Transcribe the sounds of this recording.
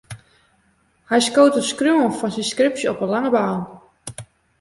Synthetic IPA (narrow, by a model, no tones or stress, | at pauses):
hɛjskoːtəskrjuənfɔnsinskrɪpsjəɔpənlaŋəbaːn